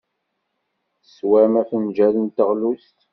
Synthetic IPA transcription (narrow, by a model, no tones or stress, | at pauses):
swæmæfənd͡ʒæðənt̪əʁlust̪